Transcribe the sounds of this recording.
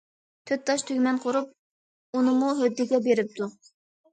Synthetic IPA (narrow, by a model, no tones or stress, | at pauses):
t̪ʰøt̪̚t̪ːɑʃt̪ʰøɡʲmɛnqʰoɾup̚ | unɨmuɦød̪ːɪɡʲɛbeɾɪp̚t̪ʰu